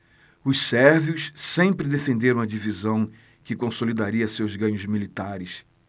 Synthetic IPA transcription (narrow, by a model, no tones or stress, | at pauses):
ʊssɛɾviʊssẽmpɾɪd̪efẽnd̪eɾɐ̃w̃ɐd͡ʒivizɐ̃w̃ | kɪkõsolid̪aɾiɐsewzɡɐ̃ɲʊzmilit̪aɾɪs